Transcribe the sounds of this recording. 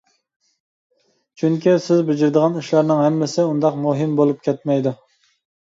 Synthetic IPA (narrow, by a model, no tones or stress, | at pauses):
t͡ʃʰyŋkʲisɪzbɪd͡ʒɪɾd̪əʁɑniʃlɑɾnɪŋɦɛmːɪsɪund̪ɑqmuɦɨmbolˠup̚kʲʰɛt̪̚mɛjd̪u